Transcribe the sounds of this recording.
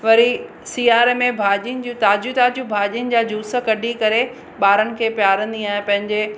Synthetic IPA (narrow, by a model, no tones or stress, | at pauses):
ʋɐɾi | siːaːɾmẽbʱaːʄinɪ̆d͡ʑũt̪aːd͡ʑut̪aːd͡ʑũbʱaːʄiənɪ̆d͡ʑaːd͡ʑʱuːsə̆kɐɗikɐɾe | ɓaːɾənɪ̆kʰeːpjaːɾə̃nd̪iaːɦɪ̃pɐ̃ɦɪ̃ɲd͡ʑe